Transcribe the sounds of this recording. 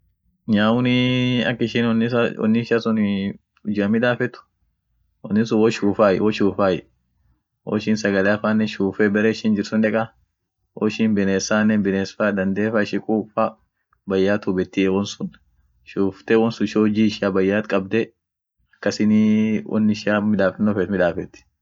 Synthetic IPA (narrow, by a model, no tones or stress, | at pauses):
ɲaːʊnɪɐ̰kːɪʃɪnnːɪsawɔ̰nːɪɪʃaːsʊn | ʊd͡ʒɪɐmɪᶑ̪aːfɛt̪ʊ̥ | wɔnːɪs̬ʊwɔʃuːfaːjɛwɔʃuːfaːjɛ | wɔ̰ʃɪːnsɐɡɐleɐfaːnːɛʃuːfɛbɛɾeːɪʃɪnd͡ʒɪɾsʊnᶑɛkʼa | wɔ̰ʃiːnbɛneːsaːnːɛnbɪneːsfaːd̪ɐnd̪eːfaːɪʃɪkʼuːfa | bɐjːaːt̪ʊbɛt̪ːiɛwɔnsʊn | ʃuːft̪ewɔnsʊʃoːd͡ʒiːɪʃaːbɐjːaːt̪kʼɐb̚d̪ɛ | ɐkːɐsɪniwɔ̰nːɪʃaːmɪᶑaːfɛnːɔfɛt̪mɪᶑaːfɛt̪ːɪ̥